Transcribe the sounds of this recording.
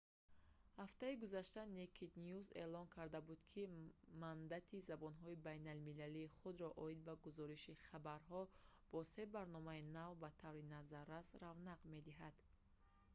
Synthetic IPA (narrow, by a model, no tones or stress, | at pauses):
haft̪aiɡuzaʃt̪anekʰid̪niuze̞̰lɔnkʰaɾd̪abud̪kʰimand̪at̪ʰizabɔnɦɔibajnalmilaliːχud̪ɾɔʔɔid̪̚baɡuzɔɾiʃiχabaɾɦɔb̥ɔse̞baɾnɔmainavbat̪ʰavɾinazaɾːasɾavnaqme̞d̪iɦad̪̥